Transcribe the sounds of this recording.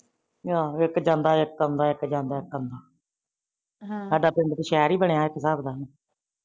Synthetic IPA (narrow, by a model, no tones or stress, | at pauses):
jaːɪkːd͡ʒãːnd̪aːɪkːənd̪aːɪkd͡ʒãːnd̪aːɪkːənd̪aː | saːɖaːpɪnd̪t̪ːʃɛːɾiːbəɳejaːɪkːsaːbd̪aːn